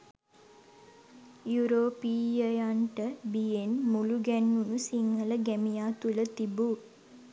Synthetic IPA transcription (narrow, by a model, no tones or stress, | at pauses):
juɾoːpiːjəjaɳʈəbijenmuluɡænːunusiŋhələɡæmijaːt̪ulət̪ibu